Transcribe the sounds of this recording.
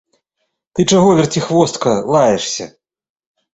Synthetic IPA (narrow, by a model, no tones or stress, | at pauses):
t̪ɨt͡ʂaɣɔvʲɛrtʲt͡sʲixvɔst̪kɐlˠajɛʂsʲɐ̰